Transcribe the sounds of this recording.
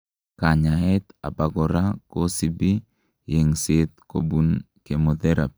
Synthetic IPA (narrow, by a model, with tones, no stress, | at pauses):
ka˨ɲa˨ɦɛ˦t̪a̰˨ba˦ɡɔɾa˦ko˦si˦bi˦ | je˨ŋsɪ˦t̪ko̰˨bu˦n | ke˨mo˨d̪e˦ɾa̰˨p